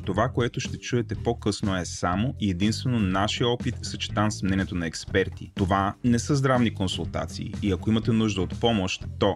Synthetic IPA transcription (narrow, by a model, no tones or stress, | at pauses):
t̪ovakoɛt̪oʃt̪ɛt͡ʃuɛt̪ɛpokɤsnoɛsamoiɛd̪inst̪vɛnonaʃijəɔpit̪sɐt͡ʃi̥t̪ansmnɛniɛt̪onɐɛkspɛɾt̪ḭt̪ovanɛsəzd̪ɾavnikonsulˠt̪a̰t̪sḭːɐkoimɐt̪ɛnuʒd̪əot̪pɔmoʃt̪ːɔ